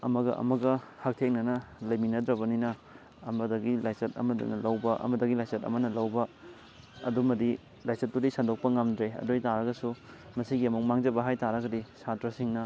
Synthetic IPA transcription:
ɐmɐɡɐ̰ʔɐ̰mɐɡɐhɐk̚tʰekŋ̚nɐnɐlɐjminɐdɾɐbɐninɐː | mɐdɐɡilajsɐt̚ɐ̰mɐd̰nɐlɐwbɐʔɐ̰mɐdɐɡilajsɐtɐ̰mɐnɐlɐwbɐ | ɐ̰dumɐdi | lajsɐt̚dudisandok̚pɐŋamdɾeɐ̰dojtaɾɐɡɐsu | mɐsiɡiɐmuk̚maŋd͡ʒɐbɐɦajtaɾɐɡɐdisatɾɐsiŋnɐ

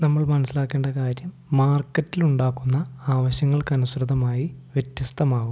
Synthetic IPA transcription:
nɐmːɐɭmɐnɐsilaːkːe̞ːɳɖɐkaːɾjɐmːaːrkːɐtːiluɳɖaːkːunːɐaːʋɐɕjɐŋːɐɭkɐnusrɐd̪ɐmaːjiʋjet̪jɐst̪ɐmaːɣum

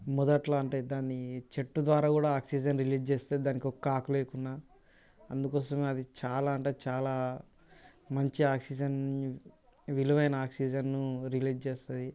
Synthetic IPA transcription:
mɔd̪ɐʈlaːɐɳʈed̪aːnit͡ʃeʈːud̪ʋaːɾaːkuːɽaːaːksiːd͡ʒɐnɾiliːd͡ʒt͡ʃeːst̪eːd̪id̪aːnikɔkːaːkuleːkunːaː | ɐnd̪ukɔːsɐmeːɐd̪it͡ʃaːlaːɐɳʈeːt͡ʃaːlaː | mɐɲt͡ʃiaːksid͡ʒɐn | ʋiluʋɐjnɐaːksiːd͡ʒɐnːuɾiliːd͡ʒt͡ʃeːst̪ɐd̪i

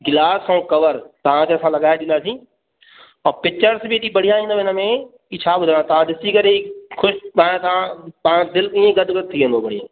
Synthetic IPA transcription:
ɡɪlaːsõũkɐʋəɾt̪ɐʋ̤ãkeɐsãlɐɡaːeɗɪ̃nd̪aːsĩː | ɔ̃ːpɪt͡ʃəɾsbɪɗibɐɽ̤ijãĩːnd̪oɪnəmẽ | it͡ʃʰaːbʊd̪ʱt̪ɐʋ̤ãɗ̪ɪsikɐɾekʰʊʃãt̪ɐãpːãd̪ɪlkĩːẽɡɐd̪ʱɡəd̪̚t̪ʰːiẽːnd̪oːbɐɽijã

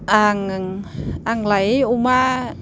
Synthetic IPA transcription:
ʔaŋŋaŋlajuma

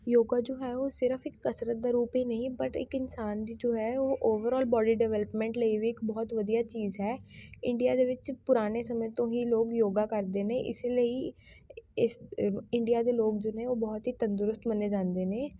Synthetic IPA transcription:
joːɡaːd͡ʒoːɦɛːoːsɪɾəfɪkːəsɾət̪̚d̪aːɾuːpɦiːnəɦĩːbəʈɪ̰kɪnsaːnd̪iːd͡ʒoːɦɛːoːʔoːʋəɾɔːlbɔːɖiːɖɛʋɛːləpmɛ̃ːɳʈləiʋiːɪkbɔːt̪ʋəd̪ijaːt͡ʃiːzɦɛːɪ̃ɳɖijaːd̪eːʋɪt͡ʃpʊɾaːneːsəmə̃ːt̪õːɦiːloːɡjoːɡaːkəɾd̪eːneːʔɪ̰seləiː | ɪsɪɳɖijaːd̪eːloːɡ̚d͡ʒoːnẽːoːbɔːt̪ɦiːt̪ənd̪ʊɾʊst̪məneːd͡ʒãːnd̪eːnẽː

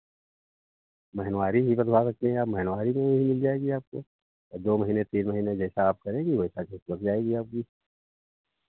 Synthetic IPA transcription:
mɛɦɛnwaːɾibʱibɐd̪las̬ɐk̚t̪eɦɛ̃aːpmɛɦɛnwaːɾimẽimɪld͡ʒaːeːɡiaːp̚ko̰ | ɔd̪oːmɐɦiːnet̪iːnmɐɦiːned͡ʒɛːsaːp̚kɐɾẽːɡiʋoːsat͡ʃesbɐɾd͡ʒaːeːɡiaːp̚kiː

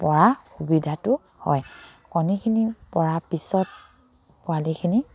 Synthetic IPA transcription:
pɔɹaxubidʱatʊ | hɔ̰jkɔnikʰinipɔɹapisɔt̚ | pʊalikʰini

